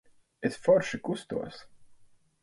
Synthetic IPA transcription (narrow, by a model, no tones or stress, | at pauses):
esfɔɾʃikust̪ṵɔs